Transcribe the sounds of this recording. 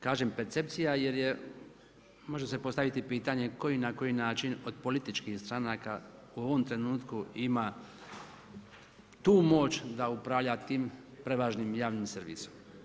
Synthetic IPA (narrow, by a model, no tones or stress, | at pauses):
kaːʒe̞mpeɾt̪se̞p̚t̪sijaje̞ɾje̞ | mo̞ʒese̞po̞st̪aʋit̪ipiːt̪aɲe̞ko̞jinako̞jinaːt͡ʃino̞d̪̚po̞lit̪it͡ʃkixst̪ɾanaka | uo̞ʋo̞mt̪ɾe̞nuːt̪kuima | t̪uːmo̞ːt͡ʃd̪aupɾaʋʎat̪iːm | pɾe̞ʋaːʒnimjaːʋnimseɾʋḭso̥m